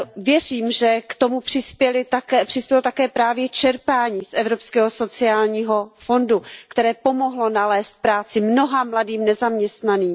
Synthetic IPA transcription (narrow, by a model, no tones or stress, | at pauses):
vjɛriːmʒɛkt̪o̞mupr̥ɪspɛlɪt̪apr̥ɪspjɛlot̪akɛːpɾaːvjɛt͡ʃɛɾpaːɲiːsʔɛvɾopskɛːɦo̞so̞t͡sɪaːlɲiːɦo̞fo̞ndukt̪ɛɾɛːpo̞mo̞ɦlo̞nalɛːst̪̚pɾaːt͡sɪmno̞ɦamladiːmnɛzamɲɛst̪naniːm